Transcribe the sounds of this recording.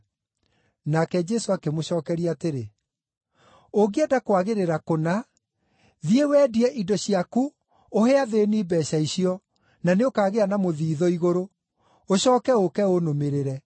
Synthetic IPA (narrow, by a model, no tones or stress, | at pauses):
nakɛd͡ʒɛsoakemoɕɔːkɛɾiateɾe | oɡeɛdakowaɣeɾeɾakona | ðiewɛːdiɛʔidɔɕiaku | ohɛaðenibɛɕaiɕiɔ | naneokaːɣeanamoðiːðɔiɣoɾo | oɕɔːkɛokɛonomeɾeɾɛ